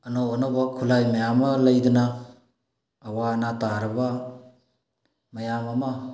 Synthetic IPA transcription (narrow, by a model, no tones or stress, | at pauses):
ɐnoːnobakʰulajmɐjamɐlɐjduna | wanataɾɐba | mɐjamɐma